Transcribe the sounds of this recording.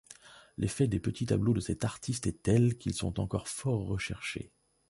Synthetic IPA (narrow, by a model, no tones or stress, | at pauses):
lʔefɛd̪epət̪it̪a̰blod̪əsɛt̪aʁt̪ʰist̪ɛt̪ɛlkʲilsɔ̰̃t̪ɑ̃kɔʁfɔʁːəʃɛʁʃḛ